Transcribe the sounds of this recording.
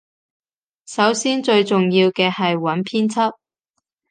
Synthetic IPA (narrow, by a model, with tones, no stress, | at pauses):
sɐ˨˥wsiː˥nt͡ʃɵ˧ɥt͡sʊ˨ŋjiː˧wkɛː˧hɐ˨jwɐ˨˥npʰiː˥nt͡sʰɐ˥t̚